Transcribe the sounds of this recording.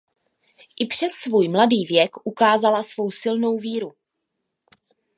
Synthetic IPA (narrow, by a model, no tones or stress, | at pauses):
ʔɪpr̝̥ɛsːvuːjmladiːvjɛkʔukaːzalasvo̞wsɪlno̞wviːɾu